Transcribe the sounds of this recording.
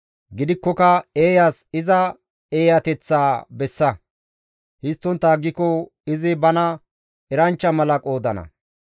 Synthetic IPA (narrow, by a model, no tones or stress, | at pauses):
ɡɪd̪ɪkːɔkɐeːjasɪzɐ | e̞ːjɐt̪ɛt͡sːaːbɛsːɐ | hɪst̪ːɔnt̪ːɐːɡːɪkɔ | ɪzɪbɐnɐ | ɛɾɐnt͡ʃːɐmɐlɐkʼo̞ːd̪ɐnɐ̰